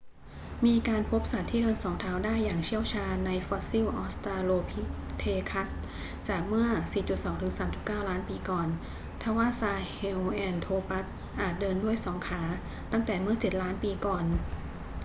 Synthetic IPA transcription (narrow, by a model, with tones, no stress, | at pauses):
miː˧kaː˧npʰo˦˥p̚sa˨˩t̪ʰːiː˥˩dɤː˧nsɔː˩˦ŋt̪ʰaː˩˦wdaː˥˩jːaː˨˩ŋt͡ɕʰi˥˩əwt͡ɕʰaː˧nːa˧jfɔː˧˦˥t̪̚si˥˩wʔɔː˦˥st̪ɾaː˧loː˧pʰi˦˥t̪ʰeː˧kʰa˦˥s | t͡ɕaː˨˩k̚mɯ˥˩ɐsiː˨˩t͡ɕu˨˩t̪̚sɔː˩˦ŋt̪ʰɯ˩˦ŋsaː˩˦mt͡ɕu˨˩kaː˥˩wlaː˦˥npiː˧kɔː˨˩n | t̪ʰaː˧˩waː˥˩saː˧he˧wʔɛː˧nt̪ʰoː˧pa˦˥t̪̚ | ʔaː˨˩t̪̚dɤː˧ndu˥˩əjsɔː˩˦ŋkʰaː˩˦ | t̪a˥˩ŋt̪ɛː˨˩mɯ˥˩ɐt͡ɕe˨˩t̪̚laː˦˥npiː˧kɔː˨˩n